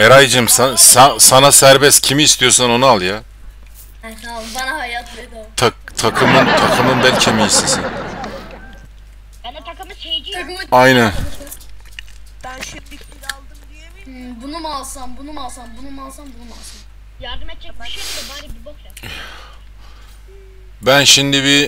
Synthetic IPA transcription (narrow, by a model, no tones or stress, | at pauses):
eɾajd͡ʒɯmsansansanasæɾbɛscʰimiːst̪ʰijoɾsano̞nualˠja | banahajat̪ʰd̪t̪ʰat̪ʰakʰɯmɯnt̪ʰakʰɯmɯnbɛlʲcʰemijisisin | t̪ʰakɯmɯt͡ʃʰ | ajnæn | lˠd̪ɯ | i | bunumalˠsanbunumalˠsanbunumalˠsanbunumalˠsan | jaɾd̪ɯmɛɛkaʃaib | bænʃind̪iβi